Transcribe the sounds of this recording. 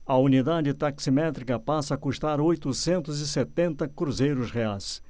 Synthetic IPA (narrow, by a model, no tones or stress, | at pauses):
ɐunid̪ad͡ʒɪt̪aksimɛt̪ɾikɐpasɐakuʃt̪aɾojt̪ʊsẽnt̪ʊzɪset̪ẽnt̪ɐkɾuzejɾʊsʁeajs